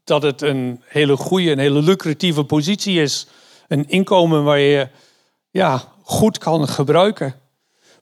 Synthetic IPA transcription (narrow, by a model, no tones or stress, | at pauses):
d̥ɑtətənheːləχujəənɦeːləlykrativəpozitsiɪs | ənɪnkowmənʋaːɹjə | jaː | χutkʰɑnχəbrœɥkə